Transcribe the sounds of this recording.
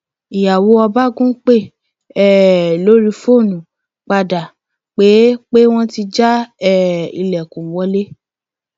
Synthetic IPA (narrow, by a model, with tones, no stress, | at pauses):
i˨ja˨wo˨˦ɔ˧ba˦ɡũ˦k͡pe˦˨ | ɛ˦˨lo˦ɾi˧fo˦˨nũ˨ | k͡pa˧da˨ | k͡pe˨˦k͡pe˦w̃ɔ̃˦ti˧d͡ʒa˦ɛ˦˨ḭ˧˨lɛ˨kũ˨˦wɔ˨˧˦le˦